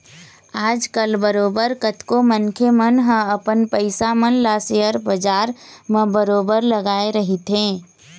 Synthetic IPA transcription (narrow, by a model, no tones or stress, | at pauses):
aːd͡ʒkəlbəɾoːbəɾkət̪komənkʰemənɦə̃əpənpəɪsamənlaːsejəɾbəd͡ʒaːɾmə̃bəɾoːbəɾləɡaːeɾɐɦɪt̪ɦɛ̃ː